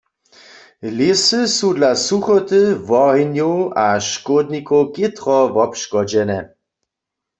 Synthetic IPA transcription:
lɪsəsudlasuxɔt̪ɨvɔɦinjowʔaʃkod̪nikowkɪt̪ʁɔvɔpʃkɔd͡ʒɛnɛ

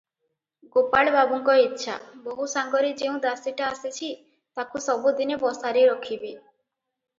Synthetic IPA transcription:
ɡopaɭbabɔŋkɔitːʃʰa̰bɔɦusaŋɡɔɾed͡ʒeũd̪asiʈaːsit͡ʃʰi | t̪akusɔbud̪inebɔsaɾeɾɔkʰibe

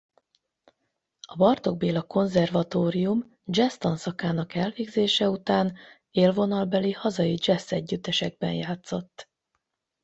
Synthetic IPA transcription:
ɒbɒrt̪o̞ɡ̚beːlɒko̞nzɛrvɒt̪oːɾijum | d͡ʒɛst̪onsɒkaːnɒkɛlveːɡzeːʃɛut̪aːn | eːlvo̞nɒlbɛlihɒzɒjid͡ʒɛsːɛɟːyt̪ːɛʃɛɡ̚bɛ̰njaːt̪so̞t̪ː

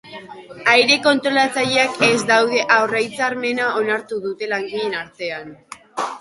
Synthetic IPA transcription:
ajɾe̞ko̞nt̪ɾo̞lat͡saʎeake̞zd̪awðe̞ʔawrajt͡saɾme̞nao̞naɾt̪uðut̪e̞laŋɡiʎe̞naɾt̪e̞an

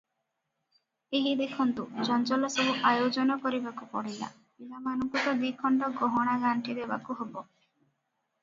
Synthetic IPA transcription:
eɦid̪ekʰɔnt̪ud͡ʒɔnt͡ʃɔlɔsɔbuʔajod͡ʒɔnɔkɔɾibakupɔɽila̰ | pilamanɔŋkɔt̪ɔd̪ikʰɔɳɖɔɡɔɦɔɽ̃aɡaɳʈʰid̪ebakuɦobɔ

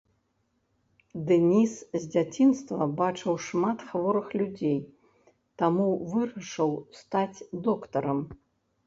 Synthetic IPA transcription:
d̪ɛnʲiszʲd͡zʲat͡sʲinst̪vɐbat͡ʂɨwʂmat̪xvɔɾɨxlʲud͡zʲej | t̪amuvɨɾɐʂɨwst̪at͡sʲd̪ɔkt̪ɐɾɐm

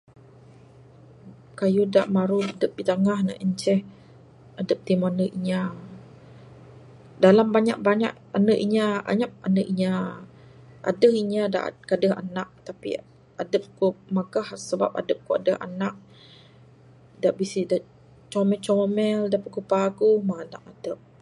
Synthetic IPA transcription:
kajuda̰ʔmaɾudəp̚dit̪əŋahna̰ʔəɲt͡ʃɛh | adəp̚t̪imanəʔiɲa | dalambaɲa̰ʔ̚baɲa̰ʔ | anəʔiɲaa̰ɲap̚anəʔiɲa | ʔa̰dəhiɲada̰ʔkadəɦa̰naʔ̚t̪apḭ | adəp̚kumaɡahsəba̰p̚a̰dəp̚koa̰dəha̰naʔ̚ | daʔbisidaʔ | t͡ʃɔmɛlt͡ʃomɛldaʔpakupaɡuhmaana̰ʔadəp̚

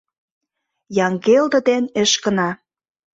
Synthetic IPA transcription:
jɑŋɡeld̪ɤ̆d̪enĕʃkə̆nɑ

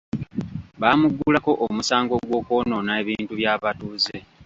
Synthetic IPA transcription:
βaːmuɡːulako̞ʔomusaːŋɡo̞ɡwo̞ːkoːno̞naeβiːntuβjaːβatuze̞

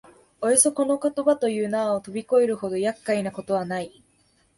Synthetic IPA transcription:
ojoso̞ko̞no̞ko̞t̪o̞bat̪o̞jɯ̟ːnaːot̪o̞bʲiko̞eɾɯ̟ho̞d̪o̞jakːainako̞t̪o̞βanai

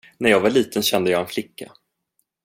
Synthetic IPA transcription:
næɾjɑːɡvaɭiːt̪ʰənɕɛnd̪əjɑːɡɛnflɪkːa̰

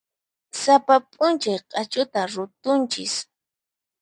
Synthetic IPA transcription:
sapapʼʊnt͡ʃajqʼɑt͡ʃʊt̪aɾʊt̪ʊnt͡ʃɪ̰s

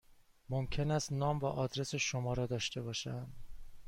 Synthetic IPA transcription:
momcʰe̞næst̪nɒːmvæʔɒːd̪ɾe̞se̞ʃomɒːɾɒːd̪ɒːʃt̪e̞bɒːʃænd̪

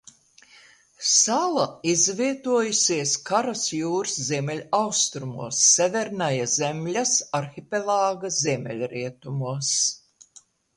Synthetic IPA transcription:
salˠaizviɛt̪uɔjusʲiɛskaɾasjuːɾsziɛmʲɛlʲawst̪ɾumṵɔsːævʲɛɾnajazemʲlʲasaɾxʲipʲɛlˠaːɡaziɛmʲɛ̰lʲɾiɛt̪umuɔs

